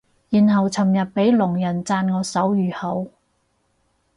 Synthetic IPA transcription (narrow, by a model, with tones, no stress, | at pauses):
jiː˨˩nɦɐ˨wt͡sʰɐ˨˩mjɐ˨t̚pe˨˥jlʊ˨˩ŋjɐ˨˩nt͡saː˧nŋɔː˨˧sɐ˨˥wjyː˨˩hɐ˨˥w